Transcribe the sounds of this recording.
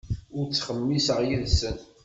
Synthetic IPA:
ʊɾt͡sːχəmːisʁjəðsən

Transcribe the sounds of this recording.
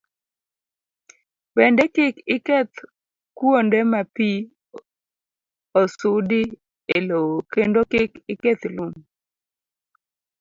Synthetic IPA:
bɛndɛkɪkɪkɛt̪ | kwondɛmapi | osudi | elookendokɪkɪket̪lum

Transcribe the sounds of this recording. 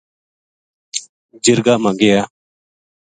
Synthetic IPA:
d͡ʒɪɾɡaːmaɡejaː

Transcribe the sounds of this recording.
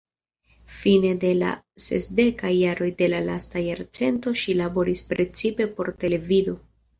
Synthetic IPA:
fine̞de̞la̰ | se̞̰sde̞kajːaɾo̞jde̞lala̰stajaɾt͡se̞nto̞ʃilabo̞ɾispɾe̞t͡sipe̞po̞ɾte̞le̞vido̞

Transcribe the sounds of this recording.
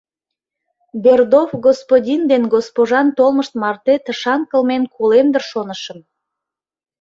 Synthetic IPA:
berd̪ofɡospodʲind̪enɡospoʒɑnt̪olməʃt̪̚mɑrt̪et̪əʃɑŋkəlmenkʰolemd̪ərʃonəʃə̆m

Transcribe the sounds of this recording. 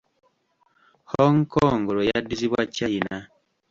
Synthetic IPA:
hoŋkoŋɡoɾojadiziβwacaina

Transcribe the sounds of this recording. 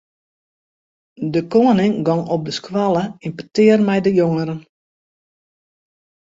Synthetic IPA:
dəkoənɪŋɡɔŋɔp̚dəskwalˠəinpətɪərmɛjdəjoŋəɾən

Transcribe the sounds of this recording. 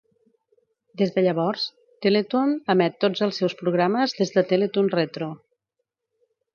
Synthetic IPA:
d̪ezðəʎəβ̞ɔɾs | t̪elet̪unəmɛt̪ːod͡zəlˠsɛwspɾuɣ̞ɾaməzðezðət̪elet̪unrɛt̪ɾu

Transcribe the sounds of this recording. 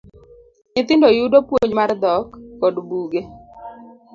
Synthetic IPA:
nɪt̪ɪndojudopwoɲmard̪ɔkːɔdbuɡe

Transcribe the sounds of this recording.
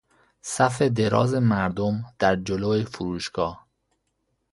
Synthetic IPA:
sæfed̪e̞ɾɒ̰ːze̞mæɾd̪omd̪̥æɾd͡ʒoloːefuɾuːʃɡ̥ɒːh

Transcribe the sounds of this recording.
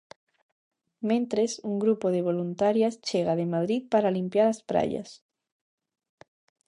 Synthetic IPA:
mẽnt̪ɾesuŋɡɾupoðeβ̞olunt̪aɾjast͡ʃeɣaðemað̞ɾiðpaɾalimpjaɾaspɾa̰ʎa̰s

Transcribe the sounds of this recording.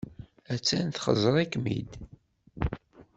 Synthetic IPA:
æt͡sːænθχə̰zˤəɾˤikmḭd̪

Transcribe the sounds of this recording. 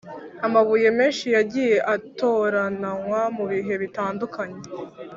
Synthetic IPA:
amaβuje̞meːnʃijaɟije̞ʔato̞ɾanaŋwamuβiɦe̞βitaːndukʰaɲe̞

